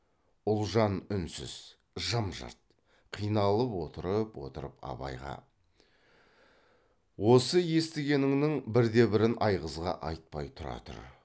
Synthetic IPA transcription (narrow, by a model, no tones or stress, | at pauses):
ʊlˠʒɑnʏnsɪ̰z̥ | ʒəmʒɑ̰ɾt̪̚ | qʰijnɑlˠəpwo̞t̪əɾəpwo̞̰t̪əɾəpɑ̰bɑ̰jʁɑ̰ | wo̞səje̞st̪ɪɡʲe̞nɪŋnɪŋbɪɾd̪e̞bɪɾɪnʔɑjʁəzʁɑ̰ʔɑjt̪̚pɑjt̪ʰʊɾɑ̰t̪ə̰ɾ